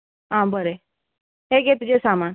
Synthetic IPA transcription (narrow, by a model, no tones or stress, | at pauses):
ɦãbəɾe | ɦeɡet̪d͡ʑesaman